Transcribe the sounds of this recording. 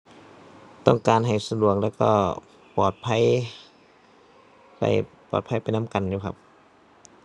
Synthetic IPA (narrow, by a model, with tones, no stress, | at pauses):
t̪ɔ˥˩ŋkaː˨˧nɦa˨˩jsa˧du˨˩ək̚lɛː˧˩wkɔ̰ː˧˩ | pɔː˨˩t̪̚pʰa˧˥˨j | pa̰˧˩jpɔ̰ː˨˩t̪̚pʰa˧˥˩jpa˨jna˦˥˨mka˨njuː˧˩kʰa˦˧˥p̚